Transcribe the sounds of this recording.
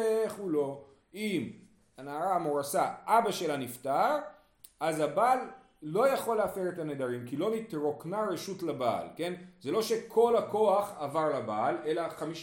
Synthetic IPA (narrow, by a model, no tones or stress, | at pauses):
eχulo̞ | im | anaːʁamoʁasaʔabaʃelaniftaʁ | azabalː | o̞jaχo̞leafeʁet̪aned̪aʁimkilo̞nit̪ʁo̞knaɾeʃutlaba̰lke̞nze̞lo̞ʃe̞kʰo̞lako̞aχavaʁlabale̞laχamiʃ